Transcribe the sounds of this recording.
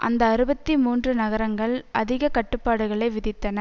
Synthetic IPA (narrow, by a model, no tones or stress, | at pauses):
ʔɐ̰nd̪ɐːɾɯbɐt̪ːimuːndrɯnɐɣɐɾɐŋɡɐɭʔɐðɪɣɐkɐʈːɯpːaːɽɯɣɐɭɐɪʋɪðɪt̪ːɐnɐ